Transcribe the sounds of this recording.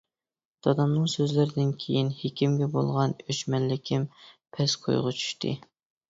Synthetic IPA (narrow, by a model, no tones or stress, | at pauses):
d̪̥ʰɑd̪ɑmnɨŋsøzlɪɾɪd̪ɪnkʲʰejinhekʲʰimɡʲɛbo̰lˠʁɑnøt͡ʃmɛlːɪkʲʰɪmpʰɛsqʰo̰jʁʊt͡ʃʰy̥ʃt̪ʰɨ̰